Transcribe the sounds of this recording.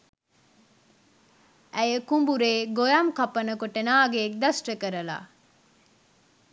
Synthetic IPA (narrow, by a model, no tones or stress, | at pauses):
ʔæjəkumbuɾeːɡojɐmkɐpɐnɐkoʈenaːɡeːk̚d̪ɐsʈəkəɾəla̰ː